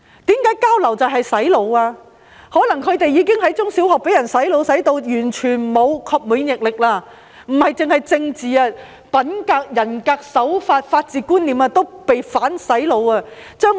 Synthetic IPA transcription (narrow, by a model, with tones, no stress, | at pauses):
t̪iː˨˥mkaː˨˥jkaː˥wlɐ˨˩wt͡sɐ˨wɦɐ˨jsɐ˨˥jlo˨˧waː˧ | hɔː˨˥nɐ˨˩ŋkʰɵ˨˧t̪e˨jːiː˨˧kɪ˥ŋhɐ˨˥jt͡sʊ˥ŋsi˨˥whɔː˨k̚pe˨˥jɐ˨˩nsɐ˨˥jlo˨˧wsɐ˨˥jt̪o˧wjyː˨˩nt͡ʃʰyː˨˩nmo˨˧wkʰɔː˧p̚muː˨˥ŋjɪ˨k̚lɪ˨k̚laː˧ | m̩˨˩hɐ˨jt͡sɪ˨ŋhɐ˨jt͡sɪ˧ŋt͡siː˨aː˧ | pɐ˨˥nkaː˧k̚jɐ˨˩nkaː˧k̚sɐ˨˥wfaː˧t̚faː˧t̚t͡siː˨kuː˥nliː˨maː˧t̪o˥wpe˨jfaː˨˥nsɐ˨˥jlo˨˧waː˧t͡sœː˥ŋ